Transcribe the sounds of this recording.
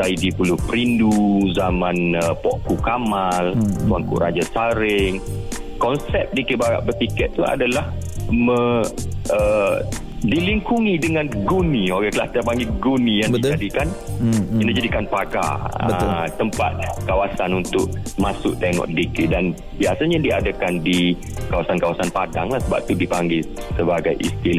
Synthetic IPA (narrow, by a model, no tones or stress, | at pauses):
saidipulʊhpəɾinduzamãnəpɔʔkukamalswaŋkṵʔɾad͡ʒasaɾɪŋ | kɔnsɛp̚dikebaɾa̰ʔbərt̪ikɛt̪̚t̪ːua̰dalahmə̃ | ə | diliŋkuŋidəŋãnɡunioɡaklaht̪apaŋɡiɡunĩjaŋdbid͡ʒadikaninad͡ʒadikanpaɡa̰əət̪əmpa̰t̪̚kawasanunt̪ʊʔ̚masʊʔt̪eŋɔ̰ʔdikedan | biasaɲadia̰dakandi | kawasankawasanpada̰ŋlahsəba̰p̚t̪udipaŋɡɪsəbaɡajʔḭst̪ila